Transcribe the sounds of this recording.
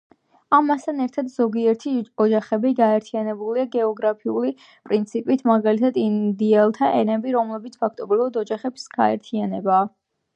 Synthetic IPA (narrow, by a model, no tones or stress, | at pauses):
amast̪ʰanɛɾt̪ʰad̪zɔɡiɛɾt̪ʰiɔd͡ʒaχɛbiɡaɛɾt̪ʰianɛbuliaɡɛɔɡɾapʰiuli | pʼɾint̪sʰipʼit̪ʰmaɡalit̪ʰad̪ind̪iɛlˠt̪ʰaʔɛnɛbiɾɔmlɛbit̪sʰpʰak̚ʰt̪ʼɔbɾivad̪ɔd͡ʒaχɛbsɡ̥a̰ɛ̰ɾt̪ʰianɛbaː